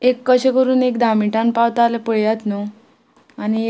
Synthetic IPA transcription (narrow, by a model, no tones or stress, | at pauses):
ekːəɕekəɾuːnekd̪ʱamiʈanpawt̪alepəɭjat̪no | ani